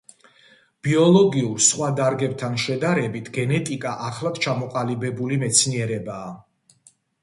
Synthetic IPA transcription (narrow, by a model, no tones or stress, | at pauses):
b̥iɔlˠɔɡiuɾsχwad̪aɾɡɛbt̪ʰanʃɛd̪aɾɛbit̪ʰɡɛnɛt̪ʼikʼaʔaχlad̪̥t͡ʃʰamɔqʼalibɛbulimɛt̪sʰniɛɾɛbaː